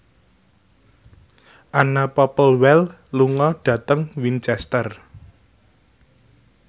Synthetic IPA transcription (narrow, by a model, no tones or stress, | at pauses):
ʔanapɔpəlwɛl | luŋɔɖ̥ä̤t̪əŋwint͡ʃɛst̪ər